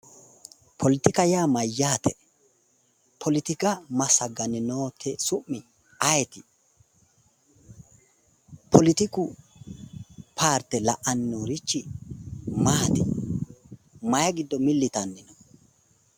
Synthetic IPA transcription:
pʰɔlɪt̪ɪkɐjaːmɐjːaːt̪ʰɛ | pʰɔlɪt̪ɪkɐmɐsɐɡɐnɪnoːt̪ʰɛsʊʔːɪ | ɐjɛt̪ɪ | pʰɔlɪt̪ɪkʊ | pʰaːɾt̪ːɛlɐʔɐnɪnoːɾɪt͡ʃːɪ | maːt̪ɪ̰ | mɐjɐɡɪd̪ːɔmɪlːɪt̪ɐnːɪnɔ

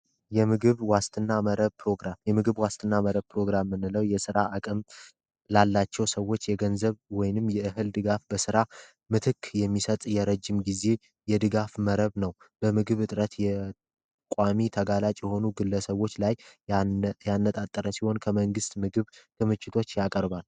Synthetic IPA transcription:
jɛmɨɡɨβwast̪ʰʼɨnːaməɾəβpɾo̞ɡɾamjɛmɨɡɨβwast̪ʰʼɨnːaməɾəβ̚pɾo̞ɡɾamːɨnːɨləwjɛsɨɾaʔakʼəm | lalːat͡ʃːɛwsəwːo̞t͡ʃːjɛɡənzəβwɔjnɨmjɛʔɨɦɨld̪ɨɡafbəsɨɾa | mɨt̪ʰɨkːjɛmːisət̪ʼjɛɾəd͡ʒːɪmɡize̞ | jɛd̪ɨɡafməɾəβnəw | b̥əmɨɡɨβɨt̪ʼɾət̪jɛ | kʷʼamit̪ʰəɡalat͡ʃʼjɛho̞nuɡɨlːəsəβo̞t͡ʃːlaj | janːət̪ʼat̪ʼːəɾəsiho̞nkʰəməŋɡɨst̪mɨɡɨβt̪ʰɨmɨt͡ʃːɪt̪ʰo̞t͡ʃːjakʼəɾbal

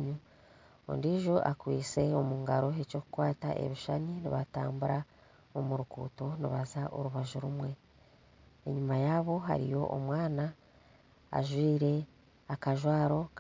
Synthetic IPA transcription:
ɲu | o̰ndiːʒoʔakwiːt͡se̞omuːŋɡaɾo̞ɦe̞co̞ku̥kwaːta̰ʔḛβiʃaɲiniβataːmbuɾa | omuɾukṵːto̞niβazaʔo̰ɾuβaʒuɾumwe̞ | eɲumajaːβo̞ɦa̰ɾḭjo̞̰ʔomwaːna̰ː | ʒwiːɾe̞ | akaʒwaːɾo̞k

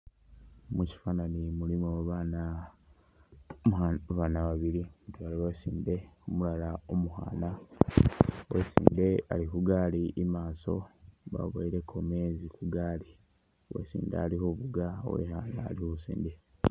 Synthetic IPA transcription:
muci̥faːnanimulimoβana | βaːnaβaβiɾimutwaːloβesiːnde̞omulalaomuha̰ːna | wesḭːndea̰likuɡaːliʔimaːso̞̰βa̰βoiɾe̞kʰome̞ːzikuɡaːli | wḛsḭːnda̰ːlihoβuɡa̰wḛhaːnaːlihosḭːnde

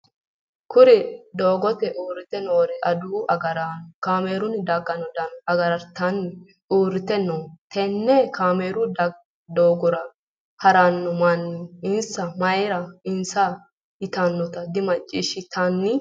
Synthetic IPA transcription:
kʊɾɪd̪oːɡɔt̪ɛʔuːɾɪt̪ɛnoːɾɛʔɐd̪uːɐɡɐɾankaːmeːɾʊnd̪ɐɡɐnɔd̪ɐnɐɡɐɾɐɾt̪ːɐnːɪ | uːɾɪt̪ɛnoːt̪ʰɛnːɛkaːmeːɾʊd̪ | d̪oːɡɔɾɐ | hɐɾanːɔmɐnːɪɪnsɐmɐjɾɐɪnsɐ | ɪt̪anːɔt̪ɐd̪ɪmɐt͡ʃʼːiʃɪt̪ɐnːɪ

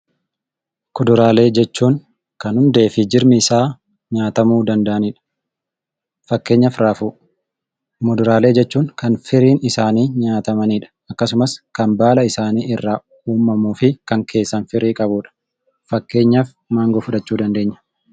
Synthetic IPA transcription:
kʊd̪ʊɾaːle̞ːd͡ʒɛt͡ʃːuːŋ | kɐnhʊnd̪eːfɪd͡ʒɪɾmɪɪsaː | ɲaːt̪ɐmuːd̪ɐnd̪ɐʔɐniːᶑɐ̥ | fɐkːe̞ːɲːɐfɾaːfuː | mʊd̪ʊɾaːle̞ːd͡ʒɛt͡ʃːuːŋkɐnfɪɾiːnɪsaːniːɲaːt̪ɐmɐniːᶑɐ̥ɐkːɐsʊmɐskɐnbaːlɐɪsaːniːɪrːaː | uːmːɐmuːfɪkɐŋkʰe̞ːsːɐnfɪɾiːkʼɐbuːᶑɐ̥ | fɐkːe̞ːɲːɐf | maːŋɡɔfʊᶑɐt͡ʃːuːd̪ɐnd̪e̞ːɲːɐ̥

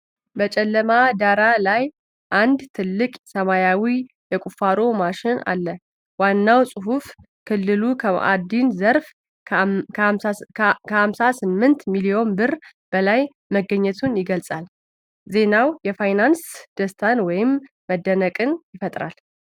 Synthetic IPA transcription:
bət͡ʃʼɛlːəmad̪aɾalaj | ʔand̪t̪ʰɨlːɨkʼsəmajawi | jɛkʼufaɾo̞maʃɪna̰lːə | wanːawsʼɨɦuf | kʰɨlːɨlua̰d̪inzəɾfʰ | kʰəhamsasɨmːɨnt̪milio̞nbɨr | b̥əlaj | məɡəɲːɛt̪ʰunjɪɡəlsʼal | ze̞nawjɛfajnansd̪̥əst̪ʰanwɔjɪmː | əd̪ːənəkʼɨnjɪfət̪ʼɾa̰l

